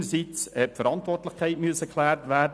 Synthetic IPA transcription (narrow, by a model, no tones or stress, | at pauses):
əsit͡shɛtfəɾɑntvɔrtləχkʰæɪtmyəsəkʰlæːrtʋæːd